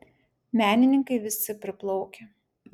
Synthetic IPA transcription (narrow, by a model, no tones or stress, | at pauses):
mʲæːnʲɪnʲɪŋkɐɪʋʲɪsʲɪpʲɾʲɪplˠɒʊkʲe